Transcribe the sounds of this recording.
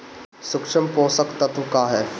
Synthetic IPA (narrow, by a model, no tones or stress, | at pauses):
sʊkʃəmpoːsəkt̪ɐt̪ukaːɦɛː